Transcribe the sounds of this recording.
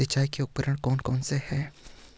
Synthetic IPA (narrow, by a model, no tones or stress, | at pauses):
ɪt͡ʃaːikeʊk̚əɾəɽ̃kɔːnkɔːnsehɛː